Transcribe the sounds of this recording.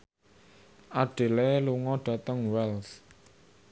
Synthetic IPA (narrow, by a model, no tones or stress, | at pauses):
ʔaɖ̥e̤leluŋɔɖ̥ä̤t̪əŋwɛls